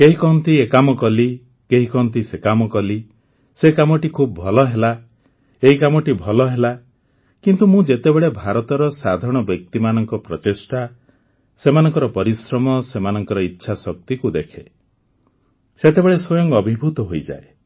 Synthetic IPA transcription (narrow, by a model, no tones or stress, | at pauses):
keɦikɔnt̪iekamɔkɔli | keɦikɔnt̪isekamɔkɔli | sekamɔʈikʰubbʱɔlɔɦela | eɦikamɔʈibʱɔlɔɦela | kint̪umũd͡ʒet̪ebeɭebʱaɾɔt̪ɔɾɔsad̪ʱaɾɔɽ̃ɔbjɔk̚t̪imanɔŋkɔpɾɔt͡ʃesʈa | semanɔŋkɔɾɔpɔɾisɾɔmɔsemanɔŋkɔɾɔitːʃʰasɔk̚t̪ikud̪ekʰe | set̪ebeɭeswɔjɔŋɔbʱibʱut̪ɔɦojd͡ʒa̰e